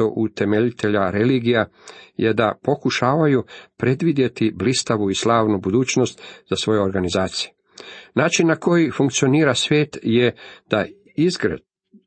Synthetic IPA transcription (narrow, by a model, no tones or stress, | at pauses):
oʔut̪e̞meʎit̪ʰe̞ʎaɾe̞liːɡijajed̪apo̞kuʃaːʋajupɾe̞d̪ʋid̪je̞t̪iblist̪aʋuislaːʋnubud̪uːt͡ʃno̞st̪zasʋo̞jeo̞ɾɡanizaːt̪sije | naːt͡ʃinːako̞jifuŋkt̪sio̞niːɾasʋʲjeːt̪jed̪̥a | izɡɾe